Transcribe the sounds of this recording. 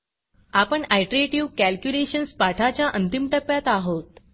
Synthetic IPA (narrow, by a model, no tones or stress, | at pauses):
apəɳajʈɾeʈiʋkælkjuleɕənspaʈʰat͡ɕjaʔənt̪imʈəpːjat̪aɦot̪